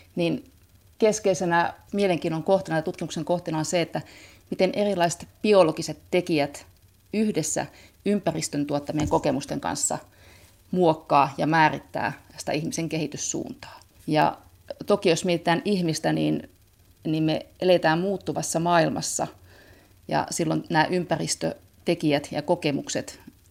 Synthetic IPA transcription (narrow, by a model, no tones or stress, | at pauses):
nin | keskeisenæmieleŋkiːnoŋkoht̪inɑɑt̪ut̪kimukseŋkoht̪inɑonseet̪ːæ | mit̪enʔerilˑɑise̥t̪b̥iolokiset̪ːekiæt̪ | yhdesːæ̰ | ympærist̪ønt̪uot̪ːɑmieŋkokemust̪eŋkɑ̰nsːɑ̰ | muokːɑːjɑmæːrit̪ːæ̰ːsi̥t̪æ̰ihmiseŋkehit̪yssṵːnt̪ɑ̥ː | jɑ̰ | t̪okijosmiet̪ĭt̪æːnʔihmist̪æniːn | niːmmeʔelet̪æːmmuːt̪ːuʋɑsːɑmɑːilmɑ̰sːɑ̰ | jɑ̰silːonnæːʔympærist̪ø̰ | t̪ekiæt̪jɑkokemukset̪